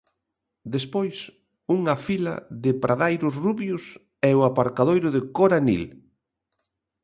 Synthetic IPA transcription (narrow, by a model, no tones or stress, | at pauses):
d̪espojs | uŋafilɐ̰ðɪpɾʔaðajɾʊsruβjʊs | ɛʊapaɾkaðojɾʊðɪkoɾanḭl